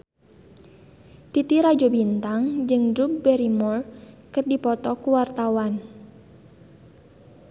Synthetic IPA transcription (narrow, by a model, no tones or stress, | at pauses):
t̪it̪iɾad͡ʒobint̪aŋd͡ʒɨŋdɾup̚bɛɾimɔrkɨrdipɔt̪ɔkuwart̪awan